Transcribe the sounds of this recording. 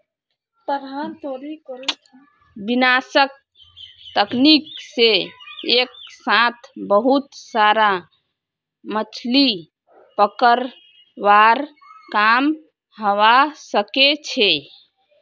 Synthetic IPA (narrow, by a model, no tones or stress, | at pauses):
t̪əɾɦant̪oɾikəɾt͡ʃʰ | binasək̚ | t̪əknikseek̚sãt̪ʰbəɦut̪saɾa | mət͡ʃʰli | pəkəɾ | ʋaɾ | kam | ɦəʋasəket͡ʃʰe